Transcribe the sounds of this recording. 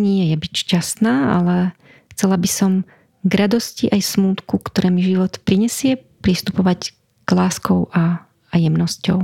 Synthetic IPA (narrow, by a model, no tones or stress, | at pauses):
ɲɪɛjɛjɛbicʃcast̪naːa̰lɛ | xt͡sɛlabisɔm | ɡɾad̪ɔsciʔajsmuːt̪kukt̪ɔɾɛːmiʒiʋɔt̪pɾiɲɛsɪɛpɾist̪upɔʋac | ɡ̥laːskɔʊʔa | ajɛmnɔscɔ̰ʊ